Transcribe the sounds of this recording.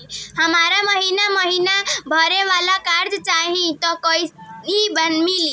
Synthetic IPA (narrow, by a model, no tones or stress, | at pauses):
həmaɾaməɦinaməɦinabʱəɾeʋalakaɾd͡ʒt͡ʃaɦĩt̪ʌkʌjibənmili